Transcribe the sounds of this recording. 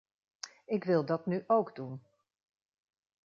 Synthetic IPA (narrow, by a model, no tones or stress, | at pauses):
ɪkʋɪlˠdɑtnyʔowɡdun